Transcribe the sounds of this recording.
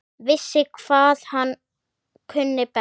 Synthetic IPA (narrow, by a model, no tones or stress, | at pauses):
vɪsːɪkʰv̥aːðhan | kʰʏnːɪpɛ